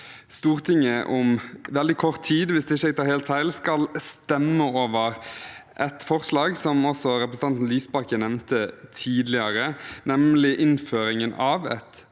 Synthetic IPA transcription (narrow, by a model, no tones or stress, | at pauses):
st̪uːʁt̪ʰɪŋəʔʊmʋɛld̪ɪkʰɔʁt̪ʰːiːd̪ʋɪsd̪ɛɪçːəɛɪɡ̚t̪ʰɑːɾheːlt̪hæɪlskɑlst̪ɛmːəoːʋəʁʔɛt̪fɔʁslɑːɡsɔmɔsɔɾɛpɾəsn̩ɑnt̪n̩lyːsbɑkənɛʋnt̪ət̪ʰiːd̪lɪəɾənɛmlɪʔɪnføːɾɪŋənɑːʋɛ̰t̪